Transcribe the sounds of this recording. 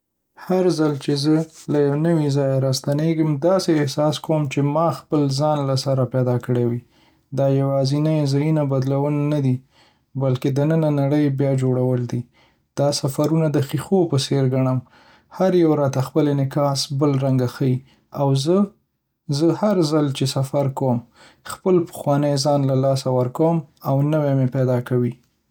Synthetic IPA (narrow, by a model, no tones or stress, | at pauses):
haɾzalt͡ʃezəlajawnəwizɑjaɾɑst̪aneɡəmd̪ɑseːhsɑskowmt͡ʃemɑxpəlzɑnlasaɾapɛd̪ɑkəɽewi | d̪ɑjawɑzinajzɑjunabad̪lawənnad̪i | balked̪ənənanaɽəjbjɑd͡ʒoɽawəld̪i | d̪̥ɑsafaɾunad̪əxixopəseɾɡaɽ̃əm | haɾjawɾɑt̪axpəlenɪkɑsbəlɾaŋɡaxai | awzə | zəhaɾzalt͡ʃesafaɾkawm | xpəlpə̥xwɑnəjzɑnlalɑsawəɾkawəmawnəwemepɛd̪ɑkawi